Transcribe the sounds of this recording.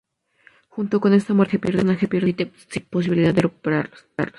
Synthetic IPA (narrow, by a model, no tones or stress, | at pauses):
xunt̪oko̞ne̞st̪amwet̪epjeɾðenakepjeɾðt̪e | sipos̬iβiliðad̪erekupeɾaɾ | a̰ɾ